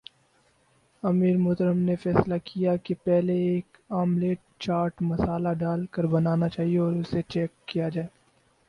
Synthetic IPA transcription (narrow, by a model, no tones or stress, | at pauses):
ɐmiːɾmʊːt̪əɾəmnefɛːslakʰijakepɛɦleeːkaːmleːʈ̚ | t͡ʃaːɾʈmɐsaːlaɖaːlkəɾbɐnaːnat͡ʃaːɦieɔːɾʊset͡ʃɛːkːijad͡ʒaːeː